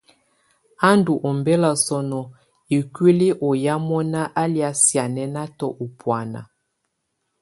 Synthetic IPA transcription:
a˦ndu˨ʔɔ˨mbɛ˦la˨sɔ˨nɔ˨ | i˨kwi˦li˦ʔɔ˨ja˦mɔ˦na˦ʔa˦lja˨sja˨nɛ˦na˦tɔ˨ʔu˨pwa˨na̰˨

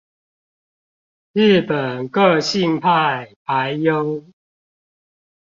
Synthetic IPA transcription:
ɻɨ˥˨pə˨˩nkə˥˧ɕi˥˨ŋpʰa˥˨ɪpa˨˦ɪjo˦ʊ

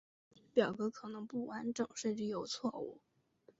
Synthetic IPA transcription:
pjɑ˨˩ʊkɤ˧˥kʰɤ˨˩nɤ˧˥ŋpu˥˩wa˧˥nʈ͡ʂɤ˨˩ŋʂə˥˩nʈ͡ʂɻ̩˧˥jo˨˩ʊt͡sʰwɔ˥˧ṵ˥˩

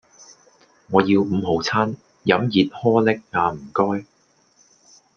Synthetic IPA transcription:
ŋɔː˨˧ji˧wm̩˨˧ɦo˨˧wt͡sʰaː˥n | jɐ˨˥mjiː˨˧t̚hɔː˥lɪ˥k̚ŋaː˨˧m̩˨˩kɔː˥j

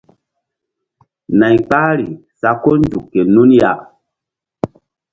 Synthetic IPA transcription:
na˨jk͡pa˦ɾi˨sa˨ko˦ndu˨kːe˨nu˦nja˨ʔ

